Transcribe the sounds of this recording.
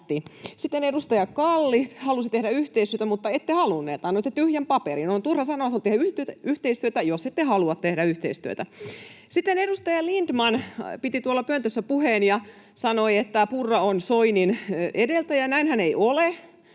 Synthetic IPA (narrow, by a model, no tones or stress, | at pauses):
t̪ːisit̪ːenedust̪ɑjɑkɑlːihɑlusit̪ehɾæyht̪eist̪yø̆t̪æmut̪ːɑet̪ːehɑlunːḛːt̪ɑnːoit̪ːet̪yhjæmpɑpeɾinont̪urhɑsɑnoʋɑholt̪ehæyt̪yht̪eist̪yøt̪æjoset̪ːehɑluɑt̪t̪ehɾæyht̪ḛist̪y̰ø̰t̪æsit̪ːenedust̪ɑjɑlind̥̪mɑnpit̪it̪uolːɑpønt̪øsːæpuheːnjɑ | sɑnoiet̪ːæpurːɑonsoininedelt̪æjɑnæinhæneiole